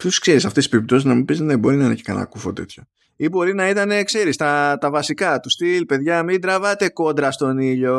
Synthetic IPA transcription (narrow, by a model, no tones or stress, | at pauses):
puskse̞ɾisɐft̪esispeɾip̚t̪o̞siznɐmibiznebo̞ɾinɐinḛce̥ksɐ̰nɐ̰kufot̪e̞̰t̪ço̞ | ibo̞ɾinɐit̪ɐne̞kse̞ɾist̪ɐt̪ɐvɐsikɐt̪ust̪ilpe̞ðʝɐmid̪ɾɐvɐt̪e̞ko̞nd̪ɾɐst̪o̞niʎo̞